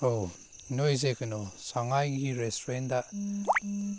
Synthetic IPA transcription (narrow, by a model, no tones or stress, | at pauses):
ow | noizekənosaŋajɡiɾestɾenda